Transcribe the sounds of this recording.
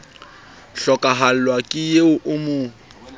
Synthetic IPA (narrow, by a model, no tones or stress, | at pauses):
ɬɔkʼaɦal̩lwakʼɪjeʊʔʊmʊ